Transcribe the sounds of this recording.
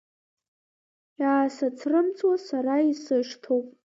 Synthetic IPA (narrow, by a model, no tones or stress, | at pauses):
jaːsat͡sʰrɨmt͡sʰʼwasaɾaisɨʂtʰowpʼ